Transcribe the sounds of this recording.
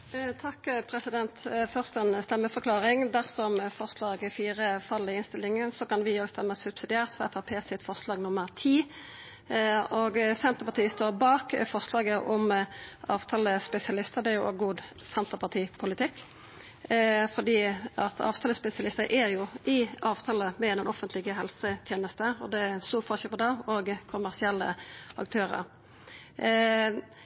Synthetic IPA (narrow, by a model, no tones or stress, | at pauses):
t̪ʰɑkːpʰɾɛsɪd̪ɛnt̪fœʁst̪ɛnst̪ɛmːəfɔʁklɑːʁɪŋd̪æʁsɔmfɔʁslɑːɡfiːʁəfɑlːɪɪnst̪ɪlːɪŋənsɔkɑnʋɪoːɡst̪ɛmːəsʉpsɪd̪ɪæːʁt̪fɔʁɛt̪ɑpʰeːsɪt̪fɔʁʂlɑːɡnʊmːəɾt̪ʰiː | oːɡsɛnt̪əʁpɑt̪iːst̪oːʁbɑːkfɔʁʂlɑːɡəʔɔmɑːʋt̪ʰɑːləspɛsɪɑlɪst̪əʁd̪ɛæjʊɛɡuːd̪sɛnt̪əpɑt̪ʰiːpʰʊlɪt̪ɪkː | fɔd̪iːɑt̪ʰɑ̰ːʋt̪ʰɑːləspɛsɪɑlɪst̪əɾʔæɾjʊʔɪɑːʋt̪ʰɑːləmɛɛɛnɔfənt̪lɪɡəɦɛlsət̪ʰjeːnəst̪əɔ̰d̪ɛst̪uːfɔʁʃəpɔd̪ɑɔɡkʰʊmæʁsɪɛlːə̰ɑ̰kt̪ʰøːɾə̰ɾ